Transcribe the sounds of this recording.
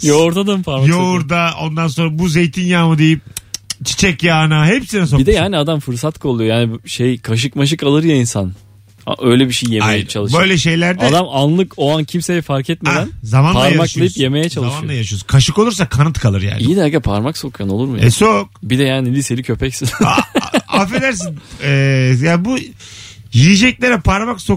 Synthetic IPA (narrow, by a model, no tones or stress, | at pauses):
joɾt̪ʰad̪ampʰaɾajouɾd̪ao̞̰nd̪anso̞nɾabuze̞jt̪ʰinjaːmud̪e̞jip̚t͡ʃʰi̥t͡ʃʰɛcjaːnaɦepsinɛsobid̪ɛjaːniad̪amfɯɾsat̪kʰolˠujojaːnibʃejkʰaʃ̬ɯkmaʃ̬ɯkalˠɯɾjainsan | a̰ʔø̞jlʲɛbiʃejjːeaejjɛt͡ʃʰalˠɯʃbø̞jlʲɛʃe̞jlʲæɾd̪ad̪amanlˠɯkoancʰimsejɛfaɾcʰɛt̪̚med̪ænzamanpaɾmakʃlˠajipje̞me̞jɛt͡ʃʰalˠɯmʃanjoajaʃyjozkʰaʃɯko̞lˠuɾsakʰanɯt̪kʰalˠɯɾja̰ːnijjid̪æɾɡapʰaɾmakso̞kʰjano̞lˠuɾmujasok̚bid̪ɛjaːnilʲise̞lʲicʰø̞pʰɛcsiz | afed̪æɾsinɛjaːbu | jijid͡ʒɛc̚lʲeɾɛpʰaɾmakso